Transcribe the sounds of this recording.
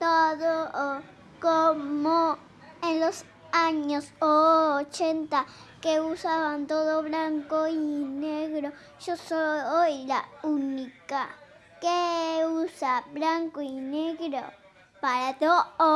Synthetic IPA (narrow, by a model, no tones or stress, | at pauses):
t̪oðoo | komõ | enlos | aɲosot͡ʃent̪a | keusaβant̪oðoβɾaŋkoineɣɾo | ʃosoojɾaunĩka | keusaβɾaŋkoineɣɾo | paɾat̪oʔo